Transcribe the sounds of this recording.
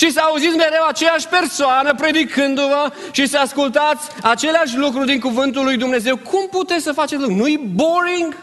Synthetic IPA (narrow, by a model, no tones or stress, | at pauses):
ʃisəauzit̪sʲme̞ɾe̞wat͡ʃe̞jaʃʲpe̞rsoanəpɾe̞d̪ikɨnd̪uvəʃisəaskult̪at̪sʲat͡ʃe̞leaʃ̬ʲlukɾud̪iŋkuvɨnt̪̬ulːujd̪umne̞ze̞wkʰumput̪e̞t̪ssəfat͡ʃet̪luknuiboɾiŋɡ